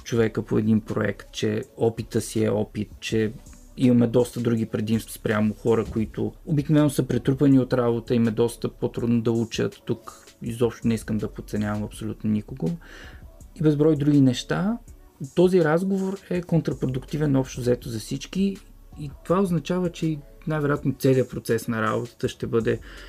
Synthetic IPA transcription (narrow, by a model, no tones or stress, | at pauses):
t͡ʃovɛkəpoɛd̪inpɾoɛ̰kt̪̚t͡ʃɛɔpit̪əsiɛɔpit̪t͡ʃɛ | imɐmɛd̪ɔst̪əd̪ɾuɡ̟ipɾɛd̪imst̪vɐ̥spɾʲjamʊxɔɾəkoit̪ʊobiknovɛnːosəpɾɛt̪ɾupəniot̪ɾabot̪əimɛd̪ɔst̪əpot̪ɾud̪nod̪ɐut͡ʃə̰t̪ːuk | izɔpʃt̪ʊnɛiskəmd̪ɐpot̪sɛnʲavɐmɐpsolʲut̪nonikoɡo | ibɛzbɾɔjd̪ɾuɡinɛʃt̪a | t̪ɔziɾazɡovoɾɛkont̪ɾɐpɾod̪ukt̪ivɛnɔpʃt̪ozɛt̪ozɐfsit͡ʃkiː | t̪ovaoznɐt͡ʃavət͡ʃɛi | najvɛɾjat̪not̪sɛliəpɾot̪sɛsnɐɾa̰bot̪ə̥t̪əʃt̪ɛbɤd̪ɛ